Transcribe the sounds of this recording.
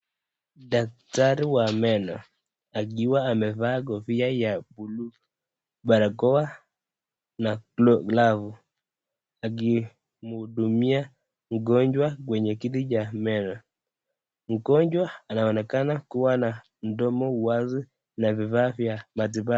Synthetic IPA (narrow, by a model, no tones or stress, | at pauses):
dak̚taɾiwamɛnɔ̰ | aɡiwaːmɛvaɡɔviajabulu | baɾakɔwa | naklɔɡlavu | aɡi | mudumia | ŋɡɔɲd͡ʒwakwɛɲɛkidid͡ʒamɛnɔ | ŋ̩kɔɲd͡ʒwaanaɔnɛkanakuwana | ndɔmɔuwazi | navivavjamat̬iba